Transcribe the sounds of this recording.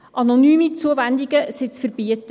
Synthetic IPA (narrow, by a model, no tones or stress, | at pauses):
ʔɑnonyːmit͡suəvændiɡəsɪt͡sfərb̥iət